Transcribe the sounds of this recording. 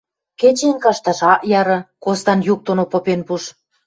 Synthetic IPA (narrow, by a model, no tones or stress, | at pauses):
ket͡ɕenkɑʃt̪ɑʃɑʔjɑɾɤ̆kost̪ɑnjuk̚t̪onopopenpuʃ